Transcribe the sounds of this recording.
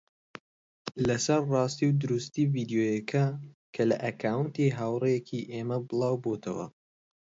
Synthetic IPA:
lɐsɐɾrɑːst̪iwd̪ʊɾust̪iːviːd̪ijoːjɐkʰɐkʰɐlɐʔɐkʰaːwɨnt̪iːɦaːwrejɛkʰiʔemɐbɨlˠɑːwboːt̪ʰɐwɐ̰

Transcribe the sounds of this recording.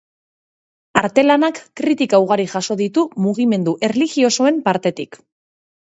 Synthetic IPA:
aɾt̪e̞lanakːɾit̪ikauɣ̞aɾiʝaso̞ðit̪umuɣ̞ime̞nd̪uʔe̞rliɣio̞so̞e̞mpaɾt̪e̞t̪ik

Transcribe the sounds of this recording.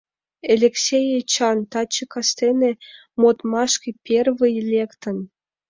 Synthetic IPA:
elʲeksʲejet͡ɕɑnt̪ɑt͡ɕːɤkɑst̪ene | mot̪mɑʃkipʲʰervɨjlʲekt̪ə̆n

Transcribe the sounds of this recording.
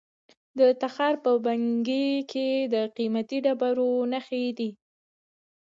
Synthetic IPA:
d̪ət̪axɑɾpəbaŋɡekʰed̪əqimat̪iɖabaɾonaxed̪i

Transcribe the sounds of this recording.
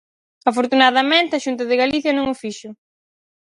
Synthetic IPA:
afoɾt̪unaðɐmẽnt̪ɐʃunt̪̬ɐðɪɣaliθjɐnõŋʊfiʃʊ

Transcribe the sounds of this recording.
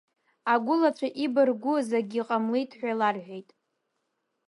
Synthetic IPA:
aɡʷʊlat͡ʃʷʰaʔibɨrɡʷʊzaɡʲiqʼamlejtʰʼħʷᶣalarħʷᶣejtʼ

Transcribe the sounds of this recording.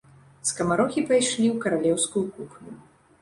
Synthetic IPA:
skɐmaɾɔxʲipajʂlʲiwkɐɾalʲɛwskujukupnʲu

